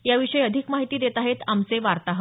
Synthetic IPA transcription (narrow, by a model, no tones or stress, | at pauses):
jaʋiʂəjəd̪ʱikmaɦit̪iːd̪et̪aɦet̪amt͡seʋaɾt̪aɦə